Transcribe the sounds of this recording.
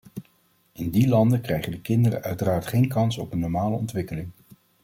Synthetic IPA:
ɪndilɑndəkrɛjχədəkɪndərə̰ʔœɥtəraːɹtχejnkɑnsɔpənːɔɹmaːləɔntʋɪkəlɪŋ

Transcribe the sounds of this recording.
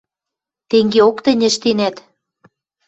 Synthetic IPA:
t̪eŋɡeokt̪ə̆nʲə̆ʃt̪enæt̪

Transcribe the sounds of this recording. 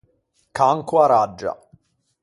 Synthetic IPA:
kaŋkwaɾad͡ʒːa̰

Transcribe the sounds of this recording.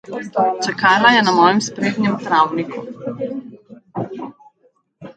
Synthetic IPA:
t͡ʃɛkaːlajɛnamɔːjɛmspɾeːd̪ɲɛmt̪ɾawnikʰṵ

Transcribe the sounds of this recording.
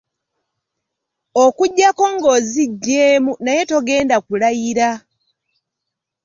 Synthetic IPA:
okuɟːako̞ŋɡoziɟːeːmunaje̞to̞ɡe̞ːndakulajiɾa

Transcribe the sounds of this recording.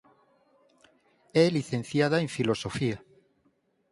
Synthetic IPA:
ɛliθen̟θjað̞aẽɱfilosofia

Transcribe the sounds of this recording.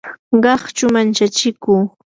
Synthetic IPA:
ɢɑχt͡ʃʊmant͡ʃat͡ʃɪkuː

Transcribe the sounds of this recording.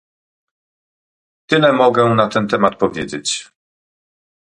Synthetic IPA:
t̪ɘlɛmɔɡɛ̃nat̪ɛnt̪ɛmat̪̚pɔvʲjed͡ʑet͡ɕ

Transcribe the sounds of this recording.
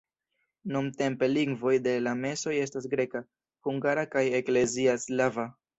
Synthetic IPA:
numte̞mpe̞liŋɡvo̞jde̞lame̞so̞je̞stas̬ɡɾe̞ka | huŋɡaɾakaje̞kle̞ziaslava

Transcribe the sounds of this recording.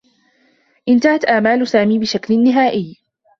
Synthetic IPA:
ʔɪnt̪ahat̪ʔaːmaːlʊsaːmiːbɪʃaklnːɪɦaːʔɪj

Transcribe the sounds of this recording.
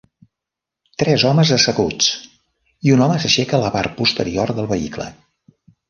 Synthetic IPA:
t̪ɾɛzɔməzəsəɣut͡s | iunɔməsəʃɛkəələpar̚pust̪ə̰ɾiorðəlˠβəḭklə̰

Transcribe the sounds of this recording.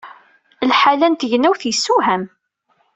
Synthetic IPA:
lħalænt̪ʝnæwθjəsːuɦæm

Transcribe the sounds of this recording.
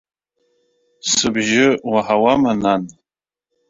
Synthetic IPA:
sɨbʒɪwaħawamanan

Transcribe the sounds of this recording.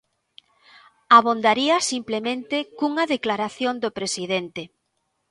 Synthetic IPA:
aβ̞ond̪aɾiɐsimplemẽnt̪ekuŋɐðeklaɾaθjond̪opɾesiðent̪e

